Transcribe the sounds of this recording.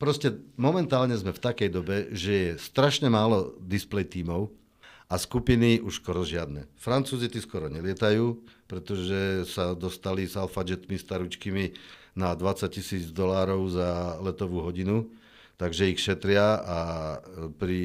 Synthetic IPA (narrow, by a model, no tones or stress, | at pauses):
pɾɔscɛmɔmɛnt̪aːlɲɛzmɛft̪akɛjd̪ɔbɛʒɛjɛst̪ɾaʃɲɛmaːlɔd̪isplɛjt̪iːmɔʊ | ʔaskupiniuʃskɔɾɔʒɪad̪nɛ̰fɾant͡suːzit̪iskɔɾɔɲɛlɪɛt̪ajuːpɾɛt̪ɔʒɛsad̪ɔst̪alizalfad͡ʒɛt̪mist̪aɾut͡ʃkimi | nad̪ʋat͡sac̚cisiːd͡zd̪ɔlaːɾɔʊzalɛt̪ɔʋuːɦɔɟinu | t̪aɡʒɛixʃɛt̪ɾɪaa | pɾi